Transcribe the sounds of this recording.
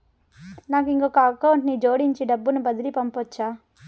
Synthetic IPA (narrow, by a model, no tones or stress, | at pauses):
naːkiŋkokɐɐkːɐwɳʈnid͡ʒoːɽiɲt͡ʃiɖɐbːunubɐd̪iɾipɐmpɔt͡ʃːaː